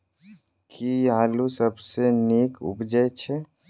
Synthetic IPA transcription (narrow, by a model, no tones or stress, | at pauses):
kiaːlusəbseneːkʊ̰pd͡ʒəjt͡ʃʰɛ